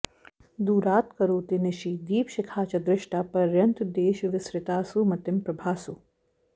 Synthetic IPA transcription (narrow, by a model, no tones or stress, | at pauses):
d̪uːɾaːt̪kɐɾoːt̪iniʃid̪iːpʃikʰaːt͡ʃɐd̪ɾɪʃʈapɐɾjɐnt̪d̪eːʃʋɪsɾɪt̪aːsumɐt̪ɪmpɾɐbʱaːsu